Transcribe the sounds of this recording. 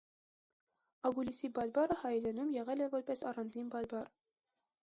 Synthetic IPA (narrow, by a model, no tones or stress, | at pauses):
ɑɡulisibɑɾbɑrəhɑjɾɛnumjɛʁɛlɛvɔɾpɛsɑrɑnd͡zinbɑɾbɑr